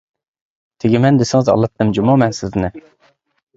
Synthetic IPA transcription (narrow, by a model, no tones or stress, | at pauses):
t̪ʰɪɡʲɪmɛnd̪esɪŋɨzɑ̰lˠːɑt̪ːɨmd͡ʒumɑmɛnsɪznɪ